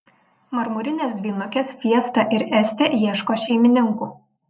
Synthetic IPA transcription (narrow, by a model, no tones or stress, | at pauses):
mɐɾmʊɾʲɪnʲesd̪ʲʋʲiːnʊkʲɛsfʲiɛst̪ɐʔɪɾɛsʲt̪ʲɛjiɛʃkoːʃʲɛɪmʲɪnʲɪŋkuːˑ